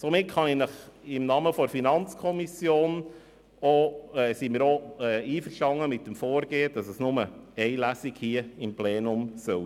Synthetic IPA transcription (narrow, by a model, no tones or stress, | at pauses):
somɪtχɑnɛnəχɪmnɑːməfodəɾfinɑnt͡skʰɔmisjoːn | oɛːsimɪːɾoɛːiːfəʃtɑŋːəmɪtːəmfoːɾɡeːəd̥ɑsəsnʊməɛɪlæsiɡhiəɪmpleːnʊmsœl